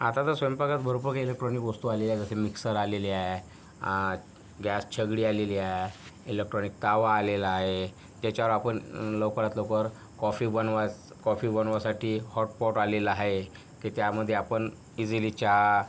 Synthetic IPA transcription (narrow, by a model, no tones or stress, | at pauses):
at̪at̪əɾsʋəmpakat̪bəɾobəɾkelek̚ʈɾɔnikɡost̪ualeljad͡zəsemiksəɾaleliae | ɡast͡ɕʰəɡɽiːaleliaɦeelek̚ʈɾɔnik̚t̪aʋaːlelaːɦe | t̪at͡ɕaʋɾapəɳlowkəɾat̪lowkʋəɾ | kɔfibənʋa | kɔfibənʋasaʈʰiːhɔʈ̚pɔʈalelaaɦe | kit̪jaməd̪ʱːjeapəɳ | id͡zilit͡ɕa